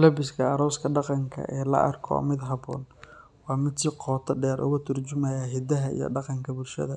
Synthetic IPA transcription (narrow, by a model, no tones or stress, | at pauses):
lɐbɪskʰɐɐɾɔwskʰɐɖɑqɑŋkʰɐ̰ʔɛːlɐ̰ʔɐ̰rkʰɔ̰mɪd̪ɦɑbɔ̰ːn | wɑːmɪt̪sɪqɔːt̪ʰɐɖɛːɾʔʊ̰ɣɐt̪ʰʊrt͡ʃʊmɐjaːɦɪd̪ɐɦɐḭjɞ̰ɖɑqɑŋkʰɐbʊlʃɐ̰ðɐ